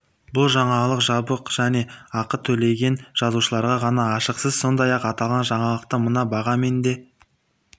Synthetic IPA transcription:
bʊlˠʒɑɴɑlˠəqʒɑbəqʒ̥æne̞ɑqət̪ʰɵle̞jɡʲe̞nʒ̥ɑzuʃəlˠɑɾʁɑʁɑnɑːʃəqsəzso̞nd̪ɑjɑqɑt̪ɑlˠʁɑnʒɑɴɑlˠəq̚t̪əmənɑbɑʁɑme̞nd̪e̞

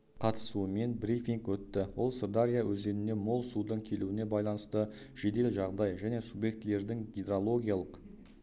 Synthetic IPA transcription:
qʰɑt̪ə̥suəme̞nbɾifʲiŋkwɵt̪ːɪwo̞lˠsord̪aɾʲijawɵzd̪e̞nɪne̞mo̞lˠsud̪əɴkʲʰe̞luwɪne̞bɑjlˠɑnəst̪əʒ̥e̞d̪e̞lʒɑʁd̪ɑjʒæne̞subje̞k̚t̪ːɪle̞ɾd̪ɪŋɡʲed̪ɾolˠo̞ɡʲijalˠəq

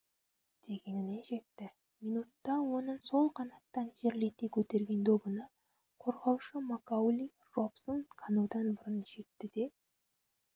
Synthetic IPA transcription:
d̪̥e̞ɡʲe̞nɪneʒe̞t̪ːɪ | mijnut̪ːɑwo̞nəso̞lˠqʰɑnɑt̪ːɑnʒeɾle̞t̪ekʲʰɵt̪e̞ɾɡʲe̞nd̪o̞bənə | qʰo̞ɾʁɑwʃəmakawlʲi | ropsənkʰɑnuwd̪ɑnbʊɾənʒ̥e̞t̪ːɪd̪e̞

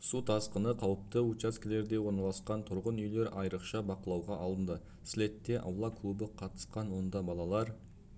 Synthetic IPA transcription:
sut̪ʰɑsqənəqʰɑwəp̚t̪əut͡ʃaskʲɪle̞ɾd̪e̞wo̞ɾnɑlˠɑsqɑnt̪ʰʊɾʁənʏjle̞ɾɑjɾəqʃɑbɑqəlˠɑwʁɑʔɑlˠənd̪ə | sle̞t̪ːe̞ʔɑ̰wlˠɑkʰlˠubɪqʰɑt̪ə̥sqɑnwo̞nd̪ɑbɑlˠɑlˠɑɾ

